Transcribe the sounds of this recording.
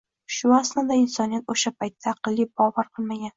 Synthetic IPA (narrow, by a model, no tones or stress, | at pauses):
ʃʊaslɪd̪aɪnsɒnijat̪oʃapajt̪ʰːaːqɨlˠːibɒvaɾqʰɨlˠmaɡʲan